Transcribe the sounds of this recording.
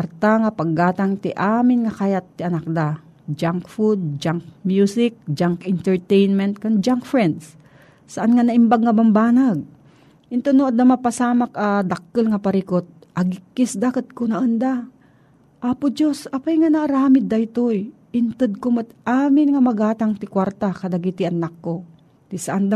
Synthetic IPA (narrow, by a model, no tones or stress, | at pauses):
ɐɾt̪aŋapaɡːaːt̪aŋt̪ɪʔaːmɪnŋɐkajat̪ːɪʔɐnak̚d̪a | d͡ʒaŋkfud̪̚d͡ʒaŋk̚mjusɪk̚d͡ʒaŋkɪnt̪ɛɹt̪ɛjnmɛnt̪̚kaŋd͡ʒaŋkfɾɛnd̪s | sɐʔanŋanɐʔɪmbaɡŋɐbambaːnaɡ̚ | ʔɪnt̪onoʔad̪nɐmapasaːmakad̪ɐk̚ːɨlŋɐpɐɾikot̪̚ | ʔɐɡɪkːɪsd̪akat̪̚konɐʔɐnd̪a | ʔapʊd͡ʒosɐpajŋanaːɾaːmɪd̪ɐjt̪oj | ʔɪnt̪ɨd̪̚komat̪ʔaːmɪnŋɐmɐɡaːt̪aŋt̪ɪkwaɾt̪akɐd̪ɐɡit̪ɪʔɐnakːo | t̪ɪsɐʔand̪a